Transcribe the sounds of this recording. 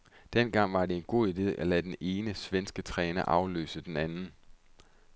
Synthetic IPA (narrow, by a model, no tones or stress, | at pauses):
d̥en̰ɡ̥ɑ̈ŋ̰ʋɑ̈ɾe̝e̝nɡ̥o̝̰ːid̥e̝̰ːʔælæd̥ene̝ːnəsʋensɡ̥ət͡sʰʁɛːnɐʔɑ̈ʊlø̰ːsəd̥enænn̩